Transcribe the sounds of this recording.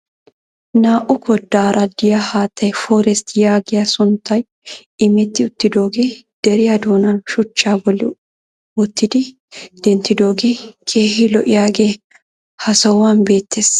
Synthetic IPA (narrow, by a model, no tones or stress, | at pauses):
naːʔʊkʰɔd̪ːaːɾɐd̪ɪjɐhaːt̪ːɐjfɔɾɛst̪jaːɡɪjɐsʊnt̪ːɐj | ɪmɛt̪ːɪʊt̪ːɪd̪o̞ːɡe̞ː | d̪̥ɛɾɪjɐd̪o̞ːnɐnʃʊt͡ʃːaːbɔlːɪ̰ | wɔt̪ːɪd̪ɪ | d̪̥ɛnt̪ːɪd̪o̞ːɡe̞ːkʰe̞ːhɪlɔʔɪjaːɡe̞ː | hɐsɐwɐnbe̞ːt̪ːeːs